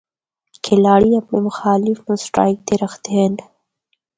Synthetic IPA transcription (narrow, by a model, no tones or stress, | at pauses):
kʰelɑːɽiapnemʊxɑːlɪfnusʈɾɑ̰jk̚d̪eɾaxt̪en